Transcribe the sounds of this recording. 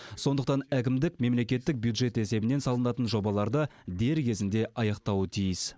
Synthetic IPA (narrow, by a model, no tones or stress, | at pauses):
so̞nd̪əqt̪ɑnækʲɪmd̪ɪkme̞mle̞kʲe̞t̪ːɪk̚bʲjud̪ʒe̞t̪e̞se̞bɪne̞nsɑlˠənɑt̪ənʒo̞bɑlˠɑɾd̪əd̪e̞ɾkʲʰe̞zɪnd̪e̞ʔɑjɑqt̪ɑwət̪ʰijɪs